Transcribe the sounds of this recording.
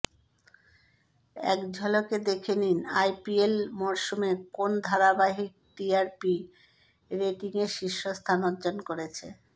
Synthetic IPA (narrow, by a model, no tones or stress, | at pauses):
ɛ̰kd͡ʑʱɔloked̪ekʰeninajpielmɔɾʃumekond̪ʱaɾabaɦik̚ʈiaɾpi | ɾeʈiŋeʃiʃːost̪ʰanod͡ʑonkoɾet͡ɕʰe